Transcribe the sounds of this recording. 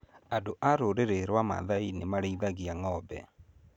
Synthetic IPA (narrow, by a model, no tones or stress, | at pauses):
adoʔaɾoɾeɾeɾwama̰ðainemaɾeiðaɣiaŋɔbɛ̰